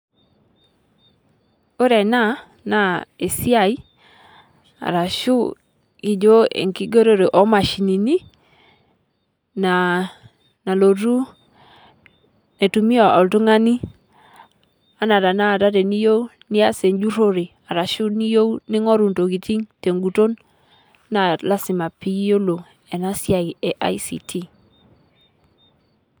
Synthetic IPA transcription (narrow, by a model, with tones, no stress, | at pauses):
o˦ɾɛ˨na˦˨ | na˦e˨si˦a˨i˦ | a̰˨ɾa˨ʃu˦ | i˨d͡ʒo˦ḛ˨ŋki˦ɡe˦ɾo˦ɾe˨ʔɔ˨˦ma˨ʃi˨ni˨ni˦ | na˨ | na˨lo˨ɾu˦ | ne˨tu˨mi˦ɔ˨a̰˨ltu˦ŋa˦ni˦ | a˦na˨ɾa˨na˦˨ta˦ɾe˨ni˦jo˦u˦ | ni˦a˦se˨nd͡ʒu˦ɾo˦ɾi˨ | a˨ɾa˨ʃu˦ni˦jo˦wnɪ˦ŋɔ˦ɾu˨nto˨ki˨ti˦ŋte˨ŋɡu˨to˦n | nːa˨la˦sɪ˨ma˨pi˦jo˦lo˨ | ɛ˨na˦sja˨i˨ɛ˨ʔa̰˦i˦sḭ˨tʰi˦